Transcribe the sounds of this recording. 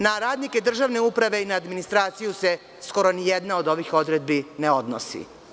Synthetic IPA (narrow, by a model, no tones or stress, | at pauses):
naɾaːd̪nike̞d̪r̩ʒaʋne̞upɾaʋe̞inaːd̪minist̪ɾaːt̪sijuse̞ | sko̞ɾo̞nijed̪nao̞d̪o̞ʋixo̞d̪ɾed̪̚bineo̞d̪no̰sḭ